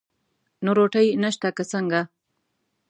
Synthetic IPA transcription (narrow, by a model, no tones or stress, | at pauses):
noɾoʈəjnəʃt̪akəsəŋɡa